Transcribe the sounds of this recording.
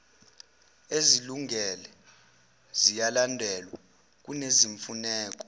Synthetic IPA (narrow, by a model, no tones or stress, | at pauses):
eziluŋɛlɛ | zijalandʱɛlwa | k̬uneziɱfunɛːk̬ʼɔ̥